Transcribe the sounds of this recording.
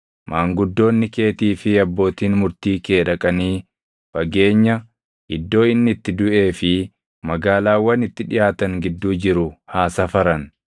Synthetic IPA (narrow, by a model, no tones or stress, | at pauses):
mʔaːŋɡʊd̪ːo̞ːnːɪke̞ːt̪iːfɪɐbːo̞ːt̪iːnmʊɾt̪iːke̞ːᶑɐkʼɐniː | bɐɡe̞ːɲːɐ | ʔɪd̪ːo̞ːɪnːɪɪt̪ːɪd̪ʊʔe̞ːfɪ | mɐɡaːlaːwːɐnɪt̪ːɪᶑɪjaːt̪ɐŋɡɪd̪ːuːd͡ʒɪɾʊhaːsɐfɐɾɐn